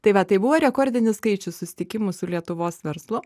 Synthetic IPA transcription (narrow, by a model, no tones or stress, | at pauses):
t̪ɐɪʋɐt̪ɐɪbʊʋoːɾʲɛkoɾʲd̪ʲɪnʲɪskɐɪt͡ʃʲʊssʊsʲɪ̥t̪ʲɪkʲɪmʊsʊlʲiɛt̪ʊʋoːsʋʲɛɾslˠʊ